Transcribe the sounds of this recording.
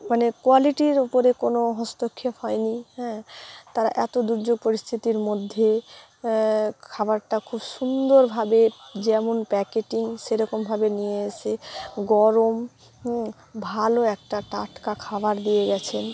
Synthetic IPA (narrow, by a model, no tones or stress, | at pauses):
manekoaliʈiɾopoɾekonoɦɔ̃st̪okʰːehɔenihɛ̃ːt̪aɾaʔɛt̪od̪uɾd͡ʑoɡ̚poɾist̪ʰit̪iɾmod̪ʱːe | kʰabaɾʈakʰubʃund̪oɾbʱabed͡ʑɛmonpɛkeʈiŋʃeɾɔkombʱabenijeeʃeɡɔɾom | bʱaloɛk̚ʈaʈaʈkakʰabaɾd̪ijeɡɛt͡ɕʰen